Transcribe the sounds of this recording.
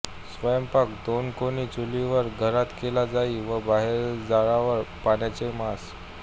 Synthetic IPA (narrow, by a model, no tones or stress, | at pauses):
sʋəjəmpakd̪onkoniːt͡suliʋəɾɡʱəɾat̪kelad͡zaiʋəbaɦeɾd͡zaɭaʋəɾpaɳjat͡semas